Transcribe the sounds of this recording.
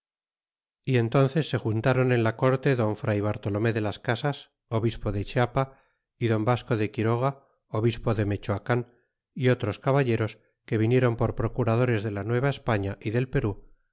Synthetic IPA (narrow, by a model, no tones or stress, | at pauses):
ie̞nt̪o̞nθe̞sːe̞xunt̪aɾo̞ne̞nlako̞ɾt̪e̞ðo̞ɱfɾajβ̞aɾt̪o̞lo̞me̞ðe̞laskasas | o̞βispo̞ðe̞t͡ʃeapa | iðo̞mbaskoðe̞kiɾo̞ɣ̞a | o̞βispo̞ðe̞me̞t͡ʃoakan | io̞t̪ɾo̞skaβaʎe̞ɾo̞s | ke̞β̞inje̞ɾo̞mpo̞ɾpɾo̞kuɾaðo̞ɾe̞zðe̞lanwe̞β̞aespaɲaʔiðe̞lpe̞ɾu